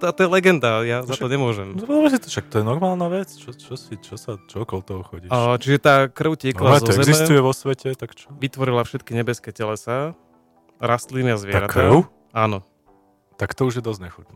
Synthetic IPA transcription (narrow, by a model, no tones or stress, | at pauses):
t̪at̪ɔjɛlɛɡɛnd̪ajazat̪ɔɲɛmʊɔʒɛmɔpɔmɛsit̪ɔʃak̚t̪ɔjɛnɔɾmaːlˠnaʋɛt͡st͡ʃɔt͡ʃɔsit͡ʃɔsat͡ʃɔɔkɔlt̪ɔɦɔxɔɟiːt͡ʃiʒɛt̪aːkr̩ʊcɛklaɛzɔɔzɛɛzimsɛt̪ujɛʋɔsʋɛcɛt̪akt͡ʃɔʋit̪ʋɔɾilafʃɛt̪kiɲɛbɛskɛːcɛlɛsa | ɾast̪liniazʋɪɛaɾatk̪aʊ | aːnɔ | t̪akt̪ɔuʒjɛd̪ɔzɲɛxutnu